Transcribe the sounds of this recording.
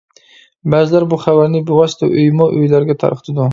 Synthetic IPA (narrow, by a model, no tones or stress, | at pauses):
bazɪlaɾbʊχavaɾnɪbʊʁast̪ʊ̰ʔʊjmɒʔʊjlaɾɡʲat̪ʰa̰ɾqt̪ʰɪd̪ʊ